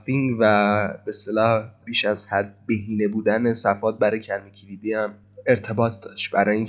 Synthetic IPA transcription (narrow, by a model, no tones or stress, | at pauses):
finvæbest̪elɒːhb̥iːʃæz̥hæd̪̚be̞ɦiːne̞buːd̪ænesæfɒːt̪̚bæɾɒjcʰæɾmecʰilid̪iːæm | e̞ɾt̪ʰe̞bɒːt̪ʰd̪ɒːʃt̪bæɾɒːjiːŋ